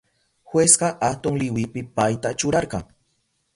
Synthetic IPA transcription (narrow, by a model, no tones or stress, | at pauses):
xwesɢɑʔat̪ʊŋlɪwɪpɪpajt̪at͡ʃʊɾɑɾɢɑŋ